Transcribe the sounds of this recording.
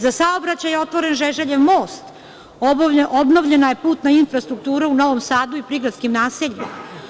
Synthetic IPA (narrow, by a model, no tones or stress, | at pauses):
zasaobɾat͡ɕajeo̞t̪ʋo̞ɾe̞nʒeʒeʎeʋmo̞ːst̪ | obno̞ʋʎe̞naje̞puːt̪nainfɾast̪ɾuk̚t̪uːɾeuno̞ʋomsaːd̪uipɾiɡɾat̪skimnaːseʎima̰